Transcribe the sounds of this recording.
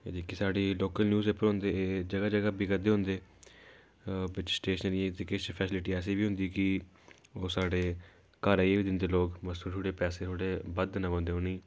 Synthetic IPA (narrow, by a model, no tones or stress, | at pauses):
ḛd̪ikːisaːɖiːloːkəlnjuːzeːpəɾɦõnd̪eːeːd͡ʒəɡaːd͡ʒəɡaːbɪɡəd̪eːɦʊ̃nd̪eː | bɪt͡ʃsʈeːʃənəɾɪj̃ːt̪ikeːt͡ʃpʰɛːsɪlɪʈiːɛːs̬iːʋiːɦʊ̃nd̪iːkɪ | oːsaːɖeː | kaːɾaːieːʋiːd̪ɪnd̪eːloːɡməsuːʃʰuɽeːpɛːseːt̪ʰoːɽeːbəd̪nãʋə̃nd̪eːɦonĩː